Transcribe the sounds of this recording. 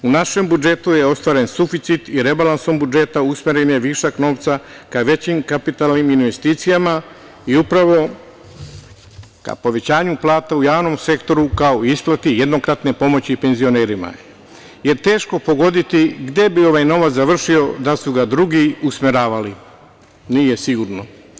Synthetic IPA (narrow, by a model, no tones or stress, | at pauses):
unaʃe̞mbud͡ʒe̞t̪uje̞o̞st̪ʋaːɾe̞nsufit̪sit̪iɾe̞balanso̞mbud͡ʒe̞t̪ausmeɾenjeʋiʃakno̞ːʋt̪sa | kaʋe̞t͡ɕimkapit̪alniminʋe̞st̪iːt̪sijama | iupɾaʋo̞ | ka̰po̞ʋe̞t͡ɕaːɲuplˠaːt̪aujaːʋno̞mse̞kt̪o̞ɾukaoiisplˠat̪ije̞d̪no̞kɾat̪ne̞po̞mo̞t͡ɕipe̞nzio̞neːɾima̰ | je̞ɾt̪e̞ːʃko̞po̞ɡo̞d̪it̪iɡd̪je̞bio̞ʋajno̞ʋat̪zaʋr̩ʃio̞d̪asuɡad̪ɾuɡiusmeɾaːʋali | nije̞siɡuɾno̞